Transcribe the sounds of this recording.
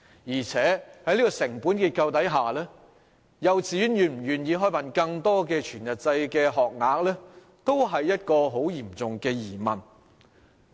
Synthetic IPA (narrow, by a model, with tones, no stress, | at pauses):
jiː˨˩t͡sʰɛː˨˥hɐ˨˥jliː˥kɔ˧sɪ˨˩ŋpu˨˥nkiː˧t̚kɐ˧wt̪ɐ˨˥jɦaː˨˩lɛː˥ | jɐ˨wt͡siː˨˥jy˥njyː˨˧nm̩˨˩jyː˨njiː˨˧ɦɔː˥pɐ˨nkɐ˧ŋt̪ɔː˥kɛː˧t͡ʃʰyː˨˩njɐ˨t̚t͡sɐ˧jkɛː˧ɦɔː˨k̚ŋaː˨˧k̚lɛː˥ | t̪o˥wɦɐ˨jːɐ˥t̚kɔː˧ɦo˨˥wjiː˨˩mt͡sʊ˨ŋkɛː˧jiː˨˩mɐ˨n